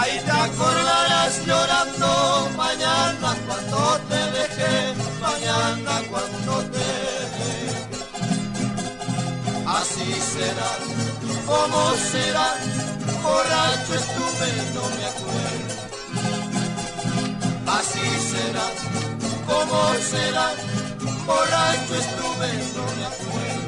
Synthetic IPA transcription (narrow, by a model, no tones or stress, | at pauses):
aitakoɾðaɾasʎoɾand̪omaɲanakwand̪ot̪eðekemãɲanakwand̪ot̪eðe | asiseɾa | omoseɾa | oɾat͡ʃwest̪ument̪omjakweɾ | asiseɾakomoseɾa | koɾat͡ʃest̪ument̪omjakueɾ